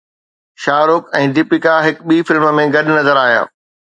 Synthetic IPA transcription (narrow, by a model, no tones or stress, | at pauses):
ʃaːɾʊkɛ̃ːd̪ɪpɪkaɦɪkɓiːfɪlmə̆mẽɡɐɗnɐzəɾaːɦija̰ː